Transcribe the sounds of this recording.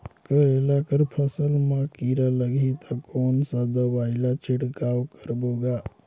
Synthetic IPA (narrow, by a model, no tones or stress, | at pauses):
kəɾelakəɾpʰəsəlmakiɾaləɡʱit̪ʰakonsãd̪əbailat͡ʃʰiʈkawkəɾboɡa